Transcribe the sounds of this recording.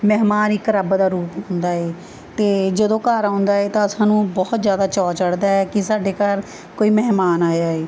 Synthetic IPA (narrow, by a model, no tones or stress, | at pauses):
mɛɦmaːnikəɾəbd̪aːɾuːpɦʊ̃nd̪aːɦeː | t̪eːd͡ʒəd̪õːkaːɾaʊ̃nd̪aːeːt̪ãːəsãːnũːbɔːt̪zjaːd̪aːt͡ʃɔːt͡ʃəɽd̪aːɛːkɪsaːɖeːkaɾ | koːiːmɛɦmaːnaːjaːeː